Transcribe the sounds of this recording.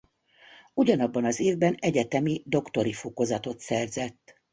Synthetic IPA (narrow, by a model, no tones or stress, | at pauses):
uɟɒnɒbːɒnɒzeːvbɛnɛɟɛt̪ɛmid̪o̞kt̪o̞ɾifoko̞zɒt̪o̞t̪sɛrzɛt̪ː